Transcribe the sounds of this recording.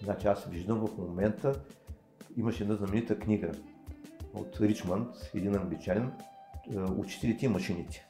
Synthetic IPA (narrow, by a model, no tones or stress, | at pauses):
nat͡ʃɛasviʒd̪əmvɐfmomɛnt̪ə | iməʃɛd̪naznɐmɛnit̪əknʲiɡə | o̰t̪ɾit͡ʃmənt̪ɛd̪inɐbit͡ʃalɛn | ṵt͡ʃi̥t̪ɛlʲit̪ʲɛimɐʃinit̪ʲɛ̥